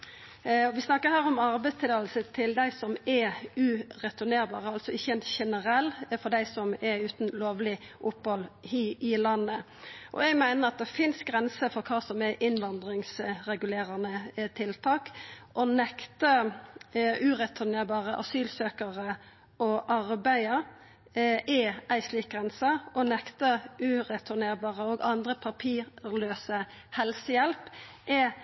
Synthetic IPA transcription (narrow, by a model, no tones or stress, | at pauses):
ɔʋɪsnɑkːəhæːɾɔmɑɾbæɪst̪ʰɪlɑːlsət̪ʰɪld̪æɪsɔmɛʉːʁɛt̪ʊɾneːɾbɑ̰ːʁəɑlsɔɪçəɛnt̪çɛnəɾɛlːfɔd̪æɪsɔmɛʉːt̪nloːʋlɪ | ʔʊphɔlhiːɪlɑnːə | ʔɔ̰ɛɡmæɪnəɾɑt̪̚d̪ɛfɪnsɡɾɛnsəfɔɾkʰɑːsɔmɛʔɪnʋɑnd̪ɾɪŋsɾɛɡʉleːɾənət̪ʰɪlt̪ʰɑːkʔɔnɛkt̪ə | ʉːɾɛt̪ʰʊneːɾbɑːʁəʔɑ̰syːlsøːkəʁə | ʔɔʔɑʁbæɪəɾ | ʔɛæɪsliːk̚ɡʁɛnsəɔnɛkt̪əʉːʁɛt̪ʰʉneːɾbɑːʁəoːɡɑnd̪ʁəpʰɑpʰiːɾløːsə | hɛlsəjɛlpʔɛ